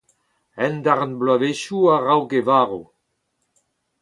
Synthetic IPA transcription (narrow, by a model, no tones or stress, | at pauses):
ɛnd̪aʁnblaveʃuaʁawɡevaːʁo